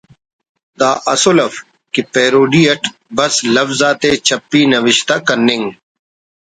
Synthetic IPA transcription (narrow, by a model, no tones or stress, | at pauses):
d̪aːʔɐsolɐf | kipeːɾoːɖiːɐʈbɐslɐfzaːt̪eːt͡ɕʰɐpːiːnɐʋɪɕt̪akɐnːɪŋɡ